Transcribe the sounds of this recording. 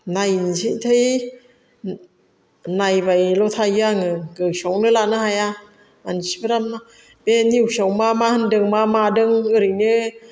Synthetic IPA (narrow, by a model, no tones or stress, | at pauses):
najnsiʔtʰɯj | najbajlɔtʰajaŋɯɡɯsɔwnɯlanɯhaja | ansibɯɾamna | beniwsɔwmamahɯndɯŋmamadɯŋɯɾɯjnɯ